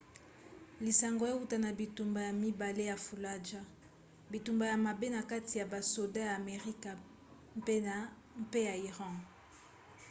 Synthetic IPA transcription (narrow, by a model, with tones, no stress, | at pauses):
li˨sa˨ŋɡo˨˦e˦u˦ta˨na˨bi˨tu˨mba˨ja˨mi˦ba˨le˦ja˨fu˨la˦d͡ʒa˦ | bi˨tu˨mba˨ja˨ma˨be˦na˨ka˦ti˨ja˨ba˨so˨da˦jaː˨me˨ʁi˦ka˨ | mpe˦na˨ | m˦pe˦ja˨i˨ʁɑ̃˦